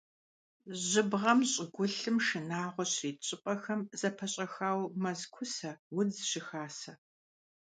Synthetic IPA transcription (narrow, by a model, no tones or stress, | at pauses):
ʑɪbʁɐmɕʼɪɡʷʊɬɨmʃɨnaːʁʷɔɕriːt͡ʃʼɪpʼɐxɐmz̥ɐpʰɐɕʼɐxaːwmɐzkʷʰʊsɐwʊd͡zɨɕɪxaːsɐ